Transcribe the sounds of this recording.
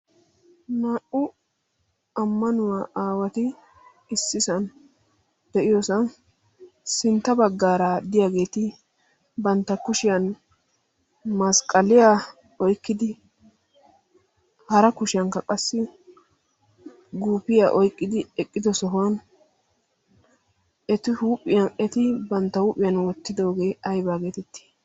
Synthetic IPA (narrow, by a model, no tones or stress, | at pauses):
naːʔʊ | ɐmːɐnʊwaːʔaːwɐt̪ɪ | ɪsːɪsɐn | d̪̥ɛʔɪjosɐn | sɪnt̪ːɐbɐɡːaːɾad̪ɪjaːɡe̞ːt̪ɪ | bɐnt̪ːɐkʊʃɪjɐn | mɐskʼːɐlɪjaː | ɔjkːɪd̪ɪ | hɐɾɐkʊʃɪjɐŋkːɐkʼɐsːɪ | ɡuːpɪjaːʔɔjkʼːɪd̪ɪɛkʼːɪd̪ɔsɔɦʊwɐn | ɛt̪ɪhuːpʼːɪjɐnɛt̪ɪbɐnt̪ːɐhuːpʼːɪjɐnwɔt̪ːɪd̪o̞ːɡe̞ːɐjbaːɡe̞ːt̪ɛt̪ːi̥